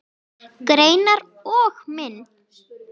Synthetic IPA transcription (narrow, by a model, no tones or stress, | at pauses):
ɣɾejnaɾ | ɔɣmɪn